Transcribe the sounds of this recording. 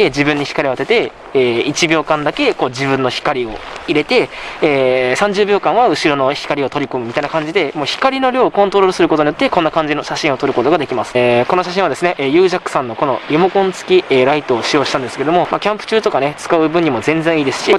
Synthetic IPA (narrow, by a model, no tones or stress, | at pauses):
ed͡ʑibɯ̟̃ɲ̟ːiçi̥kaɾʲiat̪e̞t̪e̞ | eːit͡ɕibʲo̞ːkãnd̪ake̞ko̞ːd͡ʑibɯ̟̃nːo̞çi̥kaɾʲio̞̰iɾe̞t̪e̞eːsãɲ̟d͡ʑɨːbʲo̞ːkãɰ̃βaɯ̟ɕiɾo̞noçi̥kaɾʲio̞t̪oɾʲikomɯ̟mʲit̪ainakãɲ̟d͡ʑid̪e̞moːçi̥kaɾʲino̞ɾʲo̞ːkõ̞nt̪oɾo̞ɾɯsɨɾɯkot̪oɲijot̪ːe̞konːakãɲd͡ʑino̞ɕaɕĩɰ̃o̞t̪o̞ɾɯ̟ko̞t̪o̞ɡad̪ekʲimasɨ̥ko̞no̞ɕaɕ̬ĩβad̪e̞sɨne̞ʔejɯːʑakɯ̟̥sãnːo̞ko̞no̞jomo̞kõ̞nt͡sɨ̥kʲieɾait̪o̞ːɕijo̞ːɕi̥t̪ãnd̪eɨ̥ked̪o̞momakʲãmpɯ̟̥t͡ɕɨːt̪o̞kane̞t͡sɨ̥kaɯbɯ̟̃ɲ̟imo̞zẽ̞nd͡zẽɰ̃iːd̪e̞sɨ̥ɕi